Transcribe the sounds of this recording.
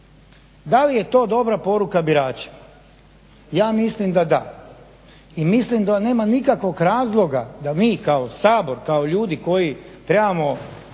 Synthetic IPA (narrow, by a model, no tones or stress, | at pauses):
d̪alije̞t̪o̞ːd̪o̞bɾapo̞ɾukabiɾaːt͡ʃḁ | jaːmislimd̪ad̪a̰ | imislimd̪ane̞ːmanikakʋo̞ɡɾaːzlˠo̞ɡad̪amiːkaosaːbo̞ɾkaoʎuːd̪iko̞jit̪ɾebamo